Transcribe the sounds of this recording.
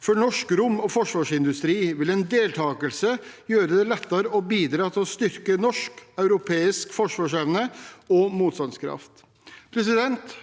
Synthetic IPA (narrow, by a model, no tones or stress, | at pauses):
fɔɳɔʂkɾʊmːɔfɔʂʋɑːʂɪnd̪ʉst̪ɾiːʋɪlɛnd̪eːlt̪ʰɑːkəlsəjøːɾəd̪ɛlɛt̪ːɑɾəɔbiːd̪ɾɑːt̪ʰɪlɔst̪ʏɾkənɔʂkɑʉɾʊpʰeːɪskfɔʂʋɑːʂɛʋnəɔmuːt̪st̪ɑnskʰɾɑ̰ft̪ | pʰɾɛsɪd̪ɛnt̪